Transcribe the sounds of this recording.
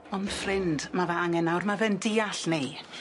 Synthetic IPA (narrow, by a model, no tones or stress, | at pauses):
ɔnd̥frɪnd̥mavaaŋɛnawrmavɛndɪːaɬne